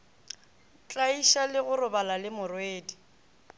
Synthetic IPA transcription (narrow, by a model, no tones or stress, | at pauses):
t͡ɬʼaiʃalɪɣʊrʊbalalɪmʊrʊeːdi